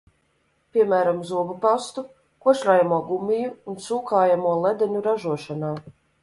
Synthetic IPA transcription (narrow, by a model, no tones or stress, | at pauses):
pʲiɛmæːɾamzuɔbupast̪u | kuɔʃɾaːjamuɔɡumʲijuːnsuːkaːjamuɔlˠɛd̪ɛɲuɾaʒuɔʃanaː